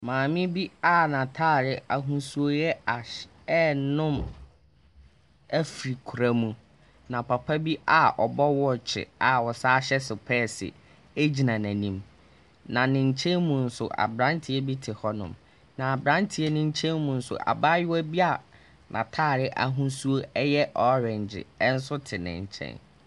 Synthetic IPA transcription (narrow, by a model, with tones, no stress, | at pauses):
mãː˨mɪ̃˦bi˦a˦˨nã˨tʰaː˦˨ɾɪ˦a˨ɦũ˦su˨o˦jɛ˦a˨ | ɛ˦nʊ̃˦m | æ˦fi˨ɾi˨kʰu˨ɾa˨mũ˨ | nã˨pʰa˨pʰa˦bi˦ʔa˨ʔɔ˨bɔ˦wɔ˦t͡ɕʰɪ̰˨a˨wɔ˨saː˦ɕɛ˦sɪ˨pʰɛː˦˨sɪ̰˨ | e˦d͡ʑi˨nã˨næ̃˨nĩ˦m | nã˨nɪ̃˨ɲ̩˨t͡ɕʰɛ̃˦nmũ˨n̩˦sʊ̰˨ʔa̰˨bɾã˦ntʰɪ˦ɛ˦bi˦tʰɪ˨hɔ˦nʊ̰̃˨m | nã˨a˨bɾã˦ntʰɪ˨˦ɛ˦nʊ̃˦ɲ̩˦t͡ɕʰɛ̃˦nmũ˨n̩˦sʊ̰˨ʔa̰˨baː˦jʊ˦æ˦bi˦a˨ | nʔã̰˨tʰaː˦˨ɾɪ˦ʔa˨ɦũ˦su˦o˦ɛ˦jɛ˦ʔɔ˨˦ɾɛ̃˨ɲd͡ʑɪ̰˨˦n̩˦sʊ˦tʰɪ˨nɪ̰̃˨ɲ˨t͡ɕʰɛ̰̃˦n